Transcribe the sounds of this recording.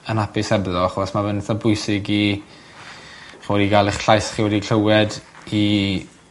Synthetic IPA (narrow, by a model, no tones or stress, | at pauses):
ənapɪsɛbðɔaχɔsmavəntʰabʊjsɪɡi | χiwɛdiɡalˠɪχɬajsχiwɛdikʰəwɛd | i